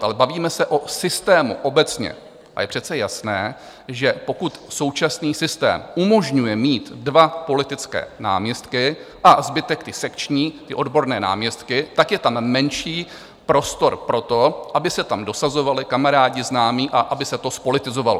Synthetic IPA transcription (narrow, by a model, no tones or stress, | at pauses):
ʔalɛbaviːmɛsɛʔo̞sɪst̪ɛːmṵʔo̞bɛt͡sɲɛ̰ | ʔa̰jɛpr̝̥ɛt͡sɛjasnɛː | ʒɛpo̞kut̪so̞wt͡ʃasniːsɪst̪ɛ̰ːmʔumo̞ʒɲujɛmiːt̪dvapo̞lɪt̪ɪt͡skɛ̰ːna̰ːmɲɛst̪kɪ | ʔazbɪt̪ɛkt̪ɪsɛkt͡ʃɲiːt̪ɪʔo̞dbo̞ɾnɛːna̰ːmɲɛst̪kɪt̪akjɛt̪ammɛnʃiː | pɾo̞st̪o̞ɾpɾo̞t̪o̞ʔabɪsɛt̪amdo̞sazo̞valɪkamaɾaːɟɪznaːmiːʔaʔabɪsɛt̪o̞spo̞lɪt̪ɪzo̞valo̰